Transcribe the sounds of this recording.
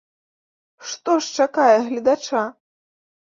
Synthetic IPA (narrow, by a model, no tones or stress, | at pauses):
ʂt̪ɔʂt͡ʂakajɛɣlʲid̪at͡ʂa